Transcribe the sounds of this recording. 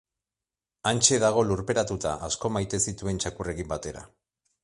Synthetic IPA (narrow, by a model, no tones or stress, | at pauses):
ant͡ʃe̞ðaɣ̞o̞luɾpe̞ɾat̪ut̪aʔasko̞majt̪e̞sit̪ue̞nt͡ʃakure̞kimbat̪e̞ɾa̰